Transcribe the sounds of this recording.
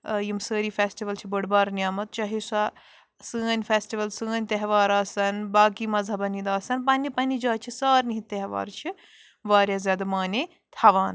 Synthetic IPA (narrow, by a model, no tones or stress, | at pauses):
jimsəːɾifʰesʈiʋɐlt͡ʃʰibɐɽbaːɾnʲjaːmɐt̪̚t͡ʃɐɦisa | sɨːnʲfʰesʈiʋɐlsɨːnʲt̪eɦʋaːɾaːsɐnbaːkimɐzɐbɐnid̪aːsɐnpɐnʲːipɐnid͡ʒaːt͡ʃʰisaːɾniɦieɦʋa̰ːɾt͡ʃʰi | ʋaːɾjazʲaːd̪ɐmaːni | t̪ʰɐʋaːn